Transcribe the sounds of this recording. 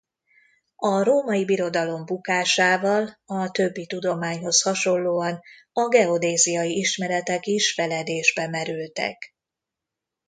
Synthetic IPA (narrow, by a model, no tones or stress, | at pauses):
ɒɾoːmɒjibiɾo̞d̪ɒlo̞mbukaːʃaːvɒlɒt̪ø̞bːit̪ud̪o̞maːɲho̞shɒʃo̞lloːɒn | ɒɡɛo̞d̪eːzijɒjiiʃmɛɾɛt̪ɛkiʃfɛlɛd̪eːʒbɛmɛɾylt̪ɛ̰k